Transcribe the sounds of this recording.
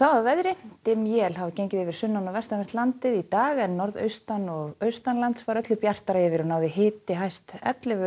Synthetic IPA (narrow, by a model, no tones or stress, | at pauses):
θavavɛðɾɪt̪ɪmjɛlɦavcejɲcɪðɪvɪɾ̥sʏnːanawvɛst̪avɛr̥t̪lant̪ɪðit̪aːɣɛnːɔɾðœ̰ɥst̪anɔɣœɥst̪anlant̪svaɾœt̪lʏpjar̥t̪aɾajɛvɪɾʏnaːwðɪɦɪːt̪ɪɦajst̪ɛ̰t̪lɪvʏ